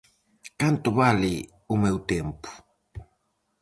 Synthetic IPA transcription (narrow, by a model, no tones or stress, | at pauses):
kant̪oβali | umɛwt̪ɛmpu̥